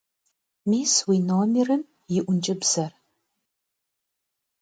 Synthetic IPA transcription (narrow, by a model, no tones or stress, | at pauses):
miːswinoːmerɨn | jɪʔʷʊnt͡ʃʼɨbz̥ɐr